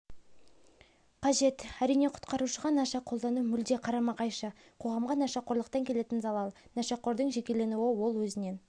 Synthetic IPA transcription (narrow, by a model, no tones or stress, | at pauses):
qʰɑʒe̞t̪æɾijne̞qʰʊ̥t̪qɑɾuʃəʁɑnɑʃɑqʰo̞lˠd̪ɑnumʏld̪eqʰɑɾɑmɑqɑjʃə | qʰo̞ʁɑmʁɑnɑʃɑqʰoɾlˠəqt̪ɑŋkʲʰe̞le̞t̪ɪnzɑlˠɑlˠnɑʃɑqʰo̞ɾd̪əɴʒe̞kʲe̞le̞nuwɪwo̞lˠwɵzɪne̞n